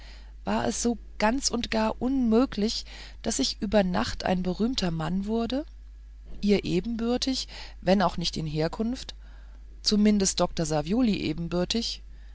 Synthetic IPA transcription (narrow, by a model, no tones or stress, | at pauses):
vaːɐʔɛ̰sz̥oː | ɡ̥ant͡sʊntɡ̥aːɐʔʊnmøːklɪç | d̥asɪçʔyːbɐna̰χtʔa̰ɪnbəʁ̞yːmtʰɐmanvʊɐdə | ʔiːɐʔeːbm̩bʏɐtʰɪçvɛnaʊxnɪçtɪnɦeːɐkʰʊnft | t͡sumɪndəstd̥ɔk̚tɐzavjoːliʔḛːbm̩bʏɐtɪç